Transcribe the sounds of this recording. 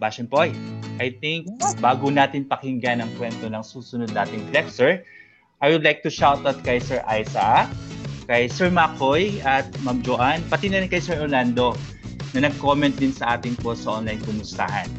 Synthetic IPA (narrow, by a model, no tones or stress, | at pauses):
baʃɛnpojʔɐjt̪ɪŋk̚baːɡʊnaːt̪ɪnpɐkɪŋɡanɐŋkwɛnt̪onɐŋsuːsʊnod̪̚naːt̪ɪŋflɛpsɛɹ | ʔajwʊd̪lajk̚t̪ʊʃawt̪̚ɐt̪̚kɐjsɛɹʔajsɐ | kɐjsɛɹmakojɐt̪̚mamd͡ʒoʔanpɐt̪ɪnɐɾɪnkɐjsɛɹʔoland̪o̞ | nɐnɐɡ̚komɛ̃nt̪̚d̪ɪnsɐʔaːt̪ɪŋposɐʔonlajnkʊmʊst̪a̰hɐn